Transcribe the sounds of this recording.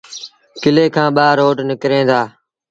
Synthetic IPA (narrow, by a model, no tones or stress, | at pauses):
kɪleːkʰãːɓaːɾoːʈnɪkɾẽːd̪aː